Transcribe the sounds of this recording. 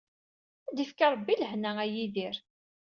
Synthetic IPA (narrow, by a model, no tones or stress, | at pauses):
æd̪ifkɑɾˤbːiləhnææjiðiɾ